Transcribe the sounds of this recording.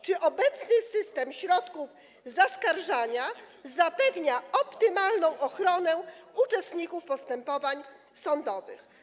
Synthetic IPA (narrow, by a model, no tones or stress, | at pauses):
t͡ʂɘʔɔbɛt̪snɘsɘst̪ɛmɕɾɔt̪kuv | zaskaɾʐaɲa | zapɛvɲaɔpt̪ɘmalnɔ̃w̃ʔɔxɾɔnɛut͡ʂɛst̪ɲikufpɔst̪ɛmpɔvaɲ | sɔnd̪ɔvɘ̰x